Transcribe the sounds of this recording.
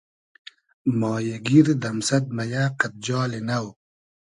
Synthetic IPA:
mɑːjɐɡiɾd̪ɐmsɐt̪̚mɐjaːqat̪̚d͡ʑɑːlenaw

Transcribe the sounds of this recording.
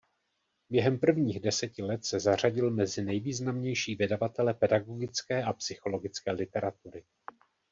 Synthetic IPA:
bjɛɦɛmpr̩vɲiːɣdɛsɛcɪlɛt̪sɛzar̝aɟɪlmɛzɪnɛjviːznamɲɛjʃiːvjɛdavat̪ɛlɛpɛdaɡo̞ɡɪt͡skɛːʔapsɪxo̞lo̞ɡɪt͡skɛːlɪt̪ɛɾat̪uɾɪ

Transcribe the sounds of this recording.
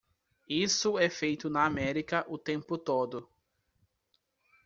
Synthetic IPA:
isʊɛfejt̪ʊnɐamɛɾikɐʔʊt̪ẽmpʊt̪od̪ʊ

